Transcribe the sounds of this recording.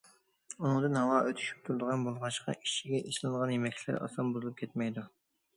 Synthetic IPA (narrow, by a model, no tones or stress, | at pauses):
unɨŋd̪ɨnɦɑwɑːʔøt̪ʰy̥ʃy̥p̚t̪ʰuɾɨd̪əʁɑnbolˠʁɑʃqɑ̰ʔiʃiɡʲɛʔiʃlˠɨnʁɑnjemɛkʲʰlæ̰ɾɑ̰sɑnbuzɨlˠup̚kʲʰɛt̪̚mɛjd̪u